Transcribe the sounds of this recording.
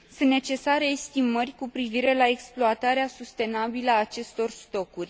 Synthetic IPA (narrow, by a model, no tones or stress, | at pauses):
sɨnt̪ne̞t͡ʃe̞saɾe̞ːst̪imərʲkupɾiviɾe̞lae̞ksploat̪aɾeasust̪e̞nabiləaːt͡ʃe̞st̪o̞rst̪o̞kurʲ